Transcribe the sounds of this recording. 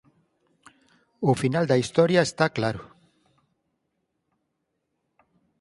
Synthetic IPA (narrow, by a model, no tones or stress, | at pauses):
ufinald̪aist̪o̞ɾiae̞st̪aklaɾu